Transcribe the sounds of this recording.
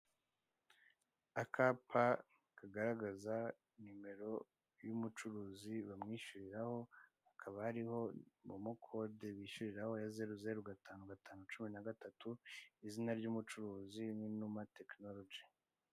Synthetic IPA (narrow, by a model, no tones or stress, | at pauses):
akʰapʰa | kaɡaɾaɡaza | nime̞ɾo̞ | jumut͡ʃuɾuːziβamŋiːʃuɾiɾaho̞hakʰaβahaɾiho̞mumukʰo̞de̞βiːʃuɾiɾaho̞jaze̞ɾuzeɾuɡatʰaːnuɡataːnut͡ʃuminaɡatatuizinaɾɟuːmut͡ʃuɾuːziminumate̞kno̞lod͡ʒi